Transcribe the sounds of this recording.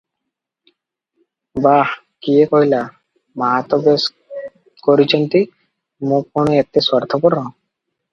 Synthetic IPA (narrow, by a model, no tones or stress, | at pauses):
ba | kiekoɦila | maɦat̪ɔbes | koɾit͡ɕʰɔnt̪i | mũkpuɽ̃eet̪eswɔɾt̪ʰɔpɔɾɔ̃